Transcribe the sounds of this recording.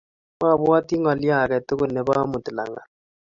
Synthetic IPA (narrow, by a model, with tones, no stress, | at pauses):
ma˦˨bwa˦ti˦ŋɔ˨lja˦˨kɛ˨tʊ˦kʊ˦˨ne˨˦ba˦mʊ˨tu˨la̰˨ŋa̰˨